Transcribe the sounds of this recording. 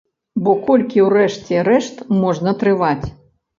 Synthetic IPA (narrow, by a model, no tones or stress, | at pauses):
bɔkɔlʲkʲiwrɛʂt͡sʲɛɾɛʂt̪mɔʐnɐt̪ɾɨvat͡sʲ